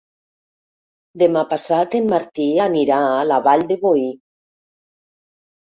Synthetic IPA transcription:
d̪emapasat̪emmaɾt̪ianiɾaalaβaʎd̪eβoi

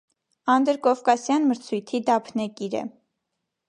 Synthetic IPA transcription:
ɑnd̪əɾkɔvkɑsjɑnməɾt͡sʰujt̪ʰid̪ɑpʰnɛkiɾɛ̰

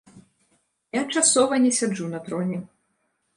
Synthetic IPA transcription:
jat͡ʂasɔvɐnʲɛsʲad͡ʐunɐt̪ɾɔnʲɛ

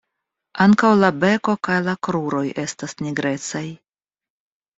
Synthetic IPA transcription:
aŋkawlabe̞ko̞kajlakɾuɾo̞je̞stasniɡɾe̞t͡saj

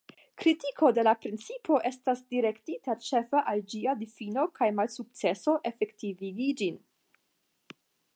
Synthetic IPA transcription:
kɾitikʰo̞de̞lapɾint͡sipʰo̞ʔe̞stasdiɾe̞ktitat͡ʃe̞faʔald͡ʒiadifino̞kʰajmalsuk̚t͡se̞so̞ʔe̞fe̞ktiviɡid͡ʒin

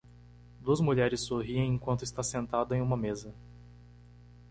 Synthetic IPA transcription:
d̪uɐzmuʎɛɾɪsːoɦiẽj̃ẽŋkwɐ̃nt̪ʊɪst̪asẽnt̪ad̪ʊẽj̃ũmɐmezɐ

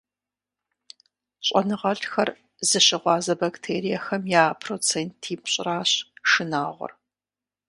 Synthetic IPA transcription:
ɕʼɐnɨʁɐɬxɐr | zɨɕɪʁʷɑːzɐbɐktʰeːɾijɐxɐmjaːpʰroːt͡sʰeːntʰiːpɕʼɪraːɕʂɨnaːʁʷɔ̰r

